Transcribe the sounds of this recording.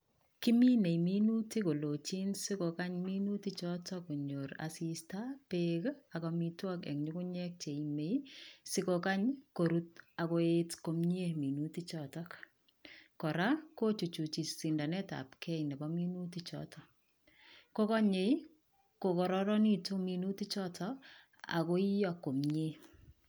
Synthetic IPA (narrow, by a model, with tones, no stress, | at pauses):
ki˦mi˦ne˨jmi˦nu˦ti˦ko˨lo˨t͡ʃi˦nsi˦kɔ˨ka˦ɲmi˦nu˦ti˦t͡ʃɔtɔko˨ɲoɾa̰sistapekakɔmi˦twa˦kɛ̰˨kɲuku˦ɲɛk̚t͡ʃe˨ime˨jsɪ˦kɔka˦ɲko˨ɾut̚a˨kɔ˦etko˦mɲe˦mi˨nuti˦t͡ʃɔtɔk | kɔ˨ɾa˦ko˦t͡ʃu˨t͡ʃu˨t͡ʃi˨ssi˨nda˨nɛ˦ta̰pkʰɛ˦inɛ˨bɔmi˦nu˦ti˦t͡ʃɔ̰tʰɔ˨ | ko˦kɔ˦ɲe˨j | ko˨kɔ˨ɾɔɾɔ˦ni˦tominu˦ti˦t͡ʃɔ˦tʰɔ | a̰˨ko˦i˦jɔ˨kːo˨mɲe˦